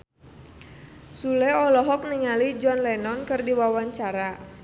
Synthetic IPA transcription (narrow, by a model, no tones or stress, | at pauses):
sulɛɔlɔɦɔk̚niŋalid͡ʒɔnlɛnɔnkɨrdiwawaɲt͡ʃaɾa